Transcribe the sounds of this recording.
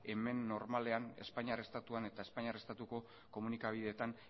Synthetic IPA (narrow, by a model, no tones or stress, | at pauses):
e̞me̞nːo̞ɾmale̞ane̞̰spaɲare̞st̪at̪uane̞t̪ae̞spaɲarest̪at̪uko̞ | ko̞munikaβ̞iðe̞t̪an